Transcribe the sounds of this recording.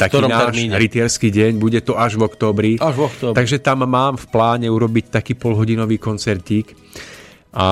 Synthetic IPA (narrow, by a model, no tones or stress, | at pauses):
t̪akiːnaːʃɾit̪ɪɛɾskiːɟɛɲbuɟɛt̪ɔaʒʋɔkt̪ɔːbɾiɔkt̪ːt̪aɡʒɛt̪amːaːmfplaːɲɛuɾɔbict̪akiːpɔlɦɔɟinɔʋiːkɔnt͡sɛɾciːk | ʔa